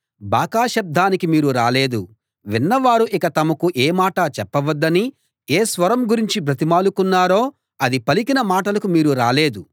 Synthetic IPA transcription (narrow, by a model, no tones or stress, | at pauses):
baːkaːʃɐb̚d̪aːnikimiːɾuɾaːle̞ːd̪u | ʋinːɐʋaːɾuʔikɐt̪ɐmɐkuʔeːmaːʈɐt͡ʃɛpːɐʋɐd̪ːɐni | eːsʋɐɾɐmɡuɾiɲt͡ʃipɾɐt̪imaːlukunːaːɾo̞ː | ɐd̪ipɐlikinɐmaːʈɐlɐkumiːɾuɾaːle̞ːd̪u